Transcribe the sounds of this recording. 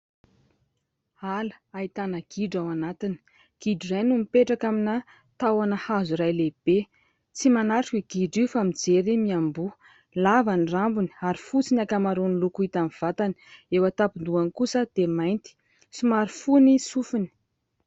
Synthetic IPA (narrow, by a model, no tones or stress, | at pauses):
alə̥ait̪anəɡ̥iɖ͡ʐawanat̪ini̥ | ɡ̥iɖ͡ʐirajnumipeʈ͡ʂakaminə | t̪awanəhazuɾajleb̥e | t͡simanaɾʈ͡ʂiɡ̥iɖ͡ʐifamid͡zeɾimiambu | lavanirambuni̥aɾifut͡sinakamaɾonilukuit̪amiv̥at̪aniewət̪apund̪uankusəd̪̥emajnt̪i̥ | simaɾifunisufuni̥